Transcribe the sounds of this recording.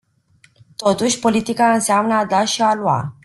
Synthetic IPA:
t̪o̞t̪uʃʲpo̞lit̪ikaɨnseamnəad̪aʃialua̰

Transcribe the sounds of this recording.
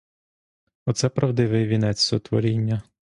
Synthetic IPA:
ɔt̪sɛpɾɐwd̪ɪʋɪjʋʲinɛt͡sʲsɔt̪ʋɔ̰ɾʲinʲːɐ

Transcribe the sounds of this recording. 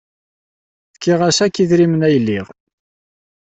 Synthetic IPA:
θkːiʁæsækːiðɾimənæjəlːiʁ

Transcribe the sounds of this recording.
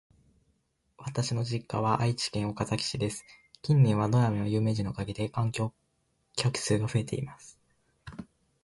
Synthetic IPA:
βat̪aɕino̞ʑikːaβaʔait͡ɕi̥kẽ̞ɰ̃o̞kat̪akʲi̥ɕid̪e̞sɨ̥kʲĩnːẽ̞ɰ̃βad̪o̞jamenojɯ̟ːme̞ːʑino̞kaɡʲid̪e̞kãŋkʲo̞ː | kʲʰakɯ̟̥sɨːɡaɸɯ̟e̞t̪ʰe̞̰ḭmasɨ̥

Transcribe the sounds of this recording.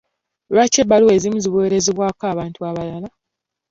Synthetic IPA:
βat͡ʃebalue̞ːzimuziβweːɾe̞ziβwaːkaːβaːntuaβalala

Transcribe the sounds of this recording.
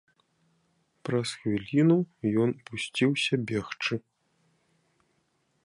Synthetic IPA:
pɾɐsxvʲilʲinujɔnpusʲt͡sʲiwsʲɐbʲɛxt͡ʂɨ

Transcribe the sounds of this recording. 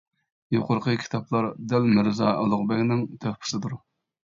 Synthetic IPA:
joqʊɾqʰəkʲʰi̥t̪ʰɑplˠɑɾd̪ælmɪɾzɑːɛlˠʊʁbɛkʲnɪŋt̪ʰøχpʰɪ̥sɨd̪uɾ

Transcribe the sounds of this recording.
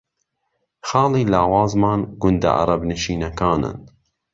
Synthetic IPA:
xɑːliːlɑːwɑːzmɑːnɡʊnd̪a̰ʔa̰ɾˤɑbnɨʃiːnɐkɑːnɨ̰n

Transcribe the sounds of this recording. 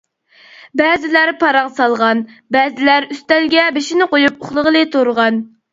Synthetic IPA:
bɛːzɪlæɾpʰɑɾɑŋsɑlˠʁɑnbɛzɪlæɾyst̪ɛlɡʲɛbeʃinɪqojupoχlˠəʁəlˠɨt̪ʰoɾʁɑn

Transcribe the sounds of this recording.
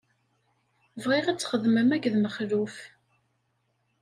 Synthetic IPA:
vʁiʁat͡sːχəðməmæɡðməχluf

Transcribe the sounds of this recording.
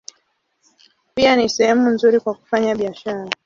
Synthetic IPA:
pianisɛhɛmunzuɾikwaku̥faɲaɓiaʃaɾa

